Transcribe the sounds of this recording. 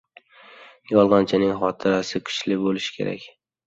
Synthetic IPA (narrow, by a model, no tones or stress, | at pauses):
jɒlˠʁɑnt͡ʃʰɪnɪŋχɒt̪ʰɪɾasɪkʰʊ̥t͡ʃlɪbolɪʃkʲʰe̞ɾa̰kʲ